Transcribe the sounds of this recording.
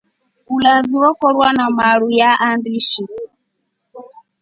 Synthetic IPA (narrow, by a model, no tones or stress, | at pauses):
ulaziwɔkɔɾwanamaɺujaʔandiʃi